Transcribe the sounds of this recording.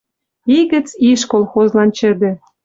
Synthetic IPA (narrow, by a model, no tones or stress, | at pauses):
iɣə̆t͡siʃkolˠxozlɑnt͡ɕɘ̆d̪ĕ